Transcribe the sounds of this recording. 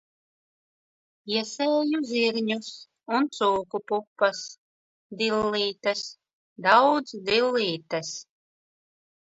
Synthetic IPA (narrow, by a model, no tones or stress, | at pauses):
iɛsɛːjuzʲiɾɲus | unt̪suːkupupːɐs | d̪ilːiːt̪as | d̪awd̪zd̪ilːiːt̪as